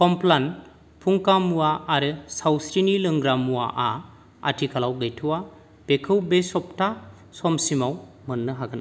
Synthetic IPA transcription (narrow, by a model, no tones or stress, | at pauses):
kɔmplan | pʰuŋkamuwaːɾɯsawsɾinilɯŋɡɾamuwa̰ʔa | a̰tʰikʰalawɡɯjtʰuwa | b̥ekʰɯwbesɔp̚tʰa | sɔmsimawmɯnːɯɦaɡɯn